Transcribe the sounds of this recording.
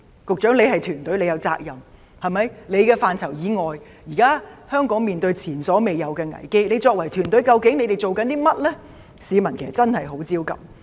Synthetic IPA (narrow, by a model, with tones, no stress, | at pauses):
kʊ˨k̚t͡ʃœː˨˥ŋle˨˧jhɐ˨jt̪ʰyː˨˩nt̪ɵ˨˥le˨˧jɐ˨˧wt͡sa̰ː˧k̚jɐ˨m | hɐ˨jmɐ˨˧jle˨˧jkɛː˧faː˨nt͡sʰɐ˨˩wjiː˨˧ŋɔː˨j | jiː˨˩kaː˥hœː˥ŋkɔː˨˥ŋmiː˨nt̪ɵ˧ɥt͡sʰiː˨˩nsɔː˨˥me˨jɐ˨˧wkɛː˧ŋɐ̰˨˩jke˥jle˨˧jt͡sɔː˧k̚wɐ˨˩jt̪ʰyː˨˩nt̪ɵ˨˥jkɐ˧wkɪ˨˥ŋne˨˧jt̪e˨˩jt͡so˨wkɐ˨˥nt̪iː˥mɐ˥t̚lɛ˥ | siː˨˧mɐ˨˩nkʰsɐ˨t̚t͡sɐ˥nhɐ˨jɦo˨˥wt͡siː˥wkɐ̰˨m